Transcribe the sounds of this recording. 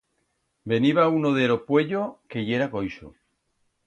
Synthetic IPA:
be̞niβaunoðelopwe̞ʎoke̞jeɾakojʃo̰

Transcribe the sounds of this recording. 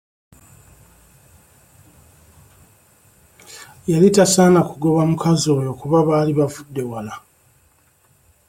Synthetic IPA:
jalitasaːnakuɡo̞βamukazo̞ːjo̞ːkuβaβaːliβavudːe̞wala

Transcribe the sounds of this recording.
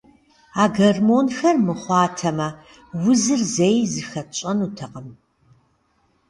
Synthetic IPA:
aːɡɐrmoːnxɐrmɨχʷɑːtʰɐmɐ | wʊzɨrzejzɨxɐt͡ʃʼɐnutʰɐqəm

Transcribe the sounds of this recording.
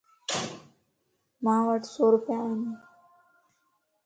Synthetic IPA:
maʋaʈsoɾupjaani

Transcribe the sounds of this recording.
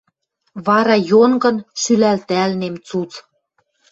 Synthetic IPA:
βɑɾɑjonɡɤ̆nʃylælt̪ælnemt͡sut͡s

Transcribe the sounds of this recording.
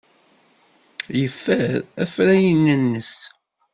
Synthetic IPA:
jəfːæɾæfɾæjənːənːəs

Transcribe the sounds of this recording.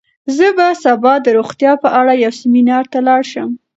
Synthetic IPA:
zəbasabɑd̪əɾoxt̪jɑpəʔaɽajawsɪminɑɾt̪alɑɽʃəm

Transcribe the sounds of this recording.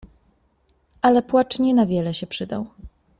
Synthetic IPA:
ʔalɛpwat͡ʂɲɛnavʲjɛlɛɕɛpʂɘd̪a̰w

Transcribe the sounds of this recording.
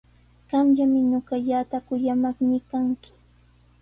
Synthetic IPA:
ɢ̥ɑmʎamɪɲoɢɑʎat̪akʊjamaχnɪkaŋkɪ̥

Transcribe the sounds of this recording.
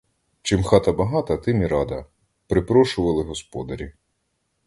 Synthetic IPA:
t͡ʃɪmxɑt̪ɐbɐɦɑt̪ɐt̪ɪmʲiɾɑd̪ɐ | pɾɪpɾɔʃʊʋɐlˠɪɦɔspɔd̪ɐɾʲi

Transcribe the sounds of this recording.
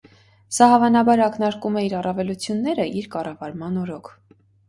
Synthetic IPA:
sɑhɑvɑnɑbɑɾɑknɑɾkumɛiɾɑrɑvɛlut͡sʰjunːɛɾəʔiɾkɑrɑvɑɾmɑnɔɾɔkʰ

